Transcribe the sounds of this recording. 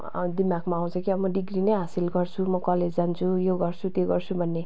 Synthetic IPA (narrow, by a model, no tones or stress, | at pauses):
d̪imaɡmaːw̃t͡sʰʌkiʌmʌɖiɡrinʌjɦasilɡʌrt͡sʰumʌkʌled͡zd͡zant͡sʰujoɡʌrt͡sʰut̪joɡʌrt͡sʰubʱʌnːe